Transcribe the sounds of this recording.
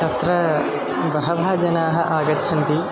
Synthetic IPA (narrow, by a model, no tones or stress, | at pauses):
t̪ɐt̪ɾɐ | bɐɦɐʋʱaːd͡ʒɐnaːɦɐ̆ʔaːɡɐtːʃʰɐnt̪i